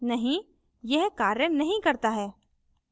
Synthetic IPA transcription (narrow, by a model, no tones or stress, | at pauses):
nɐɦĩ | jɛɦkaːɾənɐɦĩkɐɾt̪aɦɛː